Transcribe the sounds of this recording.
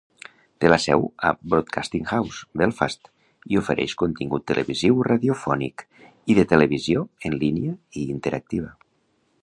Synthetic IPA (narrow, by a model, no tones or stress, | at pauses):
t̪elasɛ̰wa̰bɾot̪̚kʰast̪iŋxawzbɛlˠfa̰st̪ | iofeɾʔɛ̰ʃkont̪iŋɡut̪ːelḛβiziwraðiofɔnḭk | iðət̪eleβizjoənliniaiːnt̪eɾʔak̚t̪iβ̞ə